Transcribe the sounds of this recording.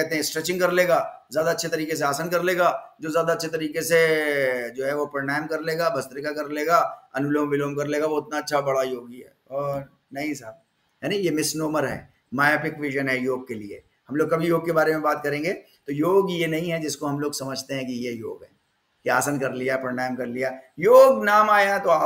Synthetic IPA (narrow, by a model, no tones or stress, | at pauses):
kɛɦt̪eɦɛ̃sʈɾɛːt͡ʃɪ̃ŋɡkɐɾleːɡaːzjaːd̪aɐtːʃʰet̪ɐɾiːkes̬eaːsankɐɾleːɡaːd͡ʒoːzjaːd̪aɐtːʃʰet̪ɐɾiːkese | d͡ʒoːɦɛʋopɐɾnaːɪmkɐɾleːɡabɐst̪ɾɪkakɐɾleːɡaːɐnʊləʋmʋɪloːmkɐɾleːɡaʋoɪt̪naɐtːʃʰabɐɽajoːɡiɦɛ̰ːɔːɾ | nɐɦĩsaɾ | jɛːnɐĩjemɪsnoːməɾɦɛ̰ː | maːjapɪkʋɪʒənɦɛjoːɡ̚keliḛ | hɐmloːɡ̚kɐbʱijoːɡ̚kebaːɾemẽbaːt̪̚kɐɾẽːŋɡeː | t̪ojoːɡjenɐɦĩɦɛd͡ʒɪskoɦɐmloːɡsɐməd͡ʒʱt̪eɦɛ̃kijejo̰ːɡɦɛ̰̃ː | kia̰ːsənkɐɾlijapɐɾnaːɪmkɐɾlijajoːɡnaːmaːjãt̪oaː